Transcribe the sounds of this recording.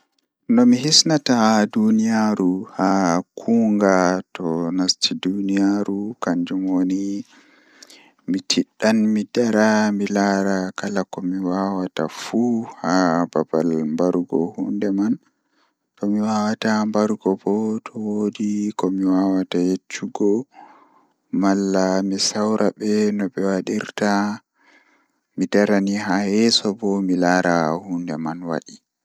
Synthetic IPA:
nɔmiɦisnatadunijaɾuhakʰuːŋɡatɔnastʰidunijaɾukaɲd͡ʒumwoni | mitʰiɗːanmidaɾamilaɾakalakɔmiwawata̰fuhababa̰lmbaɾɡɔhundɛman | tɔmiwawatambaɾɡɔbɔtʰɔwodikɔmiwawatajet͡ʃːuɡɔ | malːamisawɾʔabɛnɔɓɛwaɗiɾta | midaɾaniɦajɛsɔbɔmilaːɾahundɛmanwa̰ɗi

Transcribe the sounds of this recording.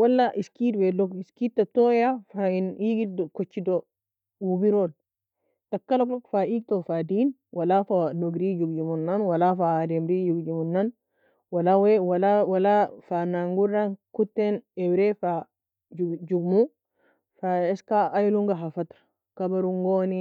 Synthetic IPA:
walːaʔiskitwɛlɔɡiskit̚tːatɔjafainiɡidkot͡ʃːido | wubiɾɔl | takːalokokfaik̚t̪ɔfadinwʔalafanoɡɾid͡ʒuɡd͡ʒumunːanwalafadɛmɾid͡ʒuɡd͡ʒumunːan | walawewalawalafanaŋɡuɾankutːenɛwɾɛfa | d͡ʒud͡ʒuɡmu | faɛskaajluŋɡaɦafat̪ɾ | kabaɾuŋɡoni

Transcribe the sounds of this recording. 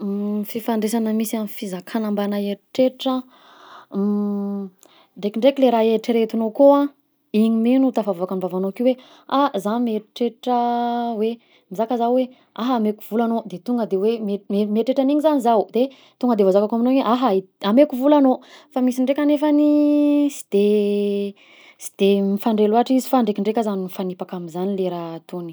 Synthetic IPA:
fifaɳɖ͡ʐesanəmisianifizakʰanambanaeɾʈ͡ʂeʈ͡ʂə | ɖ͡ʐekiɳɖ͡ʐekileɾaeʈ͡ʂiɾet̪uinokoa | iɲimenut̪afavakanivavanokiwe | azanmeʈ͡ʂeʈ͡ʂəwe | mizakəzawwe | aɦamekuv̥ulanod̪et̪uŋɡəd̪ewemeemeʈ͡ʂeʈ͡ʂaniɲizanizawd̪e | t̪uŋɡəd̪evazakakaminoeɲeʔaɦaamekuvulanofamisiɳɖ͡ʐekʲanefanisi̥d̪̥e | si̥d̪̥emifaɳɖ͡ʐeluaʈ͡ʂizi̥faɳɖ͡ʐekiɳɖ͡ʐekʲəzaninifanipakaminzanileɾat̪oni̥

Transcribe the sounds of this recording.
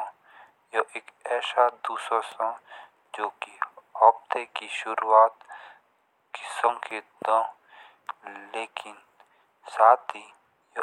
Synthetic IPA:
joʔeːkɛːʃad̪uːsosã | d͡ʒoːkiɦɔːb̚t̪ekiʃʊɾuːaːt̪ | kɪ̥səmked̪õː | leːkɪn | saːt̪ʰi | jo

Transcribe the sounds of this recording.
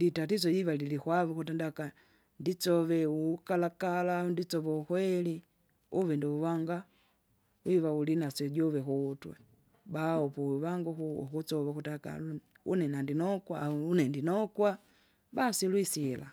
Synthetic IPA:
ditatisɔjiβalilikwaβukut̬ɛndaka | ndit͡sɔβɛukalakalaundit͡sɔβɔukwɛli | uβɛndiuwaŋɡa | wiβaulinasɛɟɔvɛkutwɛ̰ | baɔpɔβaŋɡuxuṵkut͡sɔβaxutaka̰l | ṵnɛnandinɔkwaunɛndinɔkwa | basilwisila̰

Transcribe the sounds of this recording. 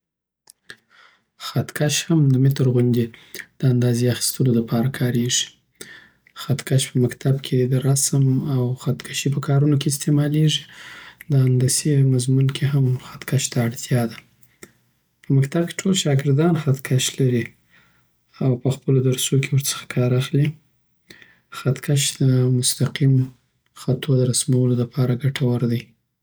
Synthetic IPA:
xat̪kaʃhamd̪əmɪt̪əɾɣʊnd̪ed̪̥əand̪ɑzeaxi̥st̪əloləpɑɾakʰɑɾeʐi̥ | xat̪kaʃpəmakt̪ʰabkʰed̪əɾasəmawxat̪kʰaʃipəkʰɑɾunokeɪs̬t̪emɑleʐid̪əand̪asemazmunkʰeɦamxat̪kaʃt̪aːɽt̪ʰjɑd̪a | pəmakt̪ab̚ke̥ʈʰolʃɑɡɪɾd̪ɑnxat̪kʰaʃlaɾi | awpəxpəlod̪aɾsokʰewəɾt͡sə̥xḁkʰɑɾaxli | xat̪kʰaʃd̪əmʊst̪aqim | xat̪ʰod̪əɾasmawəlolapʰɑɾaɡaʈʰawaɾd̪aj

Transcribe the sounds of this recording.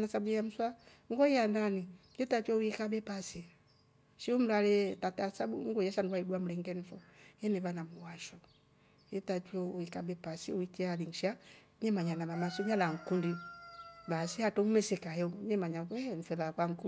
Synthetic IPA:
nasabujam̩swa | ŋɡɔiandanijɛtat͡ʃɔuikabɛpasi | ʃium̩lalɛtatasabuŋɡɔjaʃandwaiduam̩ulɛŋɡɛnifɔjɛnɛvanamuwaʃɔ | jɛtat͡ʃɔuikabɛpasiuikialiŋ̩ʃa | ɲɛmaɲanamamasɔɲalaŋ̩kundi | basiatɔumɛsɛkajɛuɲɛmaɲaɛɱ̩fɛlakwaŋ̩ku

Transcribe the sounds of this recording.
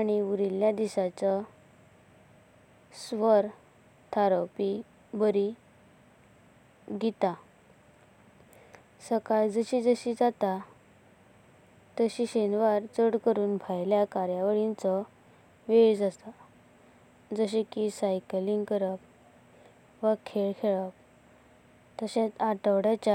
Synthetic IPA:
aɽ̃iuɾiljad̪iɕat͡sə | sʋəɾ | t̪ʰaɾopi | bəɾi | ɡit̪a | səkajd͡zəɕid͡zəɕid͡zat̪a | t̪əɕiɕenʋaɾt͡səɽkəɾuːnbʱajljakaɾjaʋəɽint͡sɔ | ʋeɭd͡zast̪a | d͡zəɕ̬ekisajkliŋɡkəɾəp̚ | ʋakʰeɭkʰeɭəp̚ | t̪əɕẽt͡saʈəʋɽat͡ɕa

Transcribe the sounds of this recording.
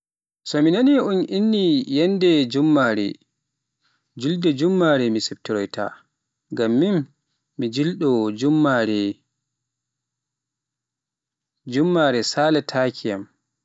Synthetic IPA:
sɔminaniunʔinːijɛndɛd͡ʒumːaɾɛ̰ | d͡ʒuldɛd͡ʒumːaɾɛmisɛp̚tiɾɔjtʰa̰ | ɡamːimː | id͡ʒilɗɔd͡ʒumːaɾɛ | d͡ʒumːaɾɛsalatʰakʰijam

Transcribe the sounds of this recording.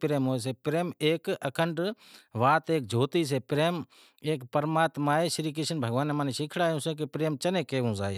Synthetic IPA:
pɾeːmɦoːes̬eːpɾeːmeːkəkʰəɳɖ | ʋaːt̪eːk̚d͡ʒʱoːt̪iːs̬eːpɪɾeːm | eːkpəɾmaːt̪maːeʃɪɾiːk̬eʃənbʱəɡʋaːnemãːniʃɪkʰɽaːjũːseːk̬ipɾeːmt͡ʃɐnẽːkeːʋũzaːe

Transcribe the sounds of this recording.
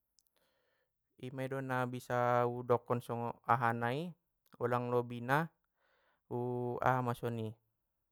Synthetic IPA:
imaidɔnabisaudɔkɔnsɔŋɔaɦanai | ɔlaŋlɔbina | ua̰ɦamasɔni

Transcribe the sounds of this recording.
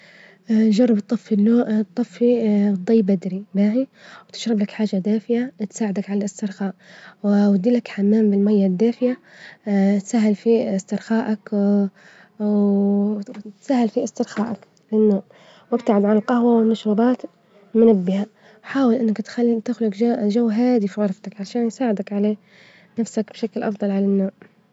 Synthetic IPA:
d͡ʒɑrˤːɑbt̪ˤːɑfːilːoːʔt̪ˤːɑfːid̪ˤːijːbad̪ɾibaːʕiwt̪ɪ̥ʃɾˤɑblakħaːʒːad̪aːfɪjat̪saːʕɪd̪akʕalalɪst̪ɪɾˤxaːʔwwad̪ːiːlakħamːaːmbɪlmajːad̪ːaːfɪja | t̪saːɦːɪlfiɪst̪ɪɾxaːʔak | w | t̪saːhːɪlfiʔɪst̪ɪɾxaːʔak | lɪnːoːʔ | wʔɪbt̪aʕɪd̪ʕalalqɑhwawɪnːʊʃʊbɑːt̪ | mʊnabːɪha | ħaːwɪlʔɪnːakt̪xat̪ɪxlʊkaʒawːɦaːd̪ifiɣɑɾˤft̪akʕaʃaːnjsaːʕɪd̪akʕaleː | nafsakbʃaklʔɑfd̪ˤɑlʕalanːoːʔ

